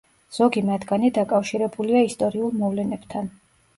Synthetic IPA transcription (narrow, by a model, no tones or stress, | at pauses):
z̥ɔɡimat̪ʰɡanid̪akʼafʃiɾɛbuliaist̪ʼɔɾiulˠmɔvlɛnɛbt̪ʰan